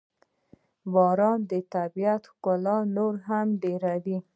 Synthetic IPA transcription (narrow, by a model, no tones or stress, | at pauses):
bɑɾɑnd̪ət̪abijat̪kʊlɑnoɾɦamɖeɾad̪i